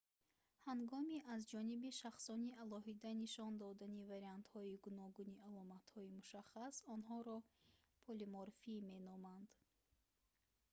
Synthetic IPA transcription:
haŋɡɔmiʔazd͡ʒɔnibiʃaχsɔniʔalɔɦid̪aniʃɔnd̪ɔd̪anivaɾiant̪hɔiɡunɔɡunialɔmat̪hɔimuʃaχasɔnɦɔɾɔ | pʰɔlimɔɾfime̞nɔmand̪̥

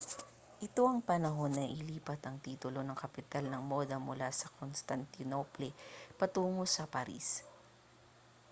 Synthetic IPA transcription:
ʔɪt̪o̞ʔɐŋpɐnɐɦo̞nːɐʔɪliːpɐt̪ɐŋt̪iːt̪ʊlo̞nɐŋkɐpɪt̪alnɐŋmo̞ːd̪ɐmʊlasɐkonst̪ɐnt̪ɪnoplɛpɐt̪uːŋo̞sɐpɐɾḭs

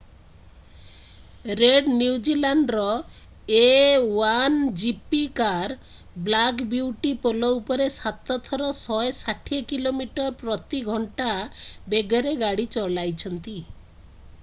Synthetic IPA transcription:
ɾeɖniwd͡ʒilaɳɖɾɔ | ewand͡ʒipikaɾ | blakbiwʈipolɔupɔɾesat̪ɔt̪ʰɔɾɔsɔesaʈʰikilomiʈɔɾpɾɔt̪iɡʱɔɳʈabeɡʱɔɾeɡaɽit͡ʃɔlajt͡ʃʰɔnt̪i

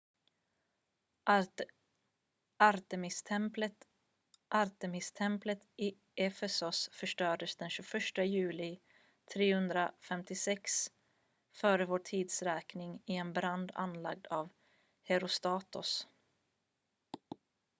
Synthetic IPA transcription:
aɾt̪ɛmɪst̪l | ʔaɾt̪ɛmɪst̪ʰɛmplət̪ɪ | ʔɛfɛsʊsfœʂʈœːɖəsd̪ɛnɕʉfœʂʈəjʉ̟ːlɪ | t̪ʰɾeːhɵnd̪ɾafɛmt̪ɪsɛks | fœːɾəvoːʈʰiːd̪sɾɛːknɪŋɪɛnbɾand̪a̰nla̰ɡ̚d̪aːv | hɛɾʊst̪ɑːt̪ʊs

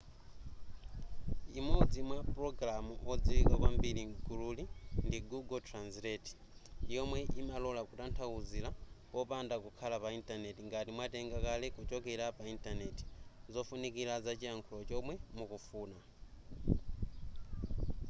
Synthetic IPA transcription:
imɔd͡zimwapɾɔɡɾamuʔɔd͡ziwikakwambiɾiɡuɾulindiɡuɡɔtʰɾanslɛti̥ | ijɔmwɛʔimalɔlakutantʰauzila | ɔpandakukʰalapaintanetiŋɡatimwatɛŋɡakalɛkut͡ʃɔkɛɾapaintaneti̥zɔfunikilazat͡ʃiaŋkʰulɔt͡ʃɔmwɛmukufuːna

